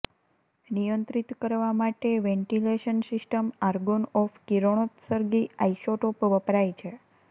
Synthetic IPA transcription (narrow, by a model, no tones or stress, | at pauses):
nijənt̪ɾit̪kəɾʋamaʈeʋeɳʈileʃənsisʈəmaɾɡonɔfkiɾoɳ̃ot̪səɾɡiajʃoʈopʋəpɾajt͡ʃʰe